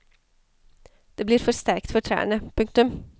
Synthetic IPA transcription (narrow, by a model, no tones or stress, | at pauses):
d̪̥eːbliːɾfɔɾst̪æɾkt̪fɔʈʰɾæ̰ːɳəpʰʉŋk̚t̪ʉm